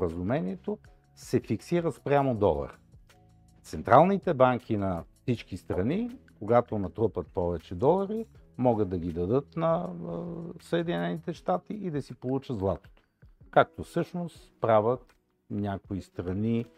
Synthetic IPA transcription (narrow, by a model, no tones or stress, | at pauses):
ɾəzʊmɛnʲiɛt̪o | sɛfiksiɾət̪spɾʲjamod̪ɔlˠɐ̰ɾ | t̪sɛnt̪ɾalˠnit̪ɛbaŋk̟ʰinɐfsit͡ʃkist̪ɾɐnikoɡat̪onɐt̪ɾupət̪̚pɔvɛt͡ʃɛd̪ɔlˠɐɾimɔɡəd̪ːɐɡʲid̪ɐd̪ɤt̪nɐ | səɛd̪inɛnit̪ɛʃt̪at̪iid̪ɐsipolˠut͡ʃəd̪zlˠat̪o̥t̪o̥ | kak̚t̪ofsɤʃnospɾavət̪̚ | nʲjakoist̪ɾɐni